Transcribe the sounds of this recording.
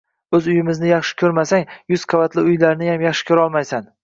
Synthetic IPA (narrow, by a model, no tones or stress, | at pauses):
ɵzʊjɪmɪznɪjɑχʃɪ̥kʲʰɵɾmasaŋjʊz̥qʰavat̪ʰlɪʊjlaɾnɪjamjɑχʃɪ̥kʲʰɵɾɒlˠmajsan